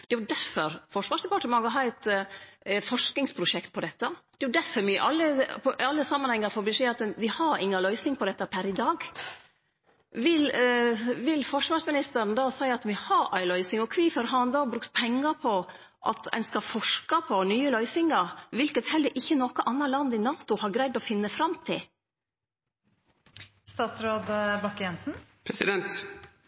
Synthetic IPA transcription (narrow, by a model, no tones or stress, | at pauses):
d̪̥ɛʋdæɾfɔɾfɔʂʋɑːʂd̪ɛpɑʈəmɑŋːɔɦɑːɛɪt̪ | fɔʂknɪŋspʰɾʊʂɛkt̪̚pʰɔd̪ɛt̪ːɑd̪̥ɛʊd̪æɾfɔɾmyːəʔɑlːəpʰɔʔɑlːəsɑmːɑnhɛŋːɑɾfɔɾbɪʃeːɑt̪d̪ɪhɑɾɪŋːɑlœʏsɪŋpʰɔd̪ɛt̪ːɑpʰæɾɪd̪ɑːɡ | ʋɪl | ʋɪlfɔʂʋɑʂmɪnɪst̪əɾnəd̪ɑːsæɪɑt̪ʋɪhɑɾæɪlœʏsɪŋɔkʰʋiːfəɾɦɑnd̪ɑːbɾʉkt̪pʰɛŋːɑpʰɔ | ʔɑ̰t̪ɛ̰nskɑfɔʂkɑpʰɔnyːəlœʏsɪŋɑɾʋɪlkət̪hɛld̪əɾʔɪçːənɔkəʔɑnːɑlɑnd̪ɪnɑːt̪ʊhɑɾɡɾæɪd̪ɔfɪnːəfɾɑmt̪ʰɪl | st̪ɑːt̪sɾoːd̪bɑkːjɛnsn̩pʰɾɛsɪ̰d̪ɛnt̪